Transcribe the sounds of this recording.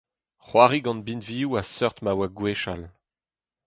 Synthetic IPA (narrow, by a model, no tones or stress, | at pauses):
χwaːʁiɡɑ̃nbinviːuasœʁt̪mawaɡweʃal